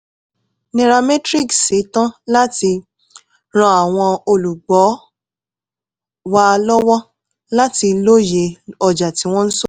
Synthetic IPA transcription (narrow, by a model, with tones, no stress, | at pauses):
ne˨ɾa˧me˦tɾi˦˨kse˨˦tã˦la˦ti˧ | ɾ̃ɔ̃˧a˨w̃ɔ̃˧o˧lu˨ɡ͡bɔ˨˦ | wa˦˧lɔ˦wɔ˦ | la˦ti˧lo˦je˧ɔ˦d͡ʒa˨ti˨˦w̃ɔ̃˦n̩˦so˦